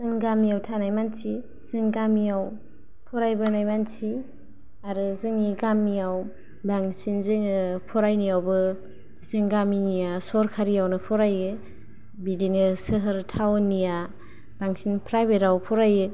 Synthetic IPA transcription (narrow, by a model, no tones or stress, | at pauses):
zɯŋɡamijawtʰanajmansi | sɯŋɡamijaw | pʰɔɾajbɯnajmansi | aɾɯzɯŋiɡamːijaw | baŋsinzɯŋɯpʰɔɾajnijawbɯ | zɯŋɡaminijasɔɾkʰaɾijawnɯpʰɔɾajɯ | bidinɯsɯɦɯɾtʰawnija | b̥aŋsinpʰɾajbeɾawpʰɔɾajɯ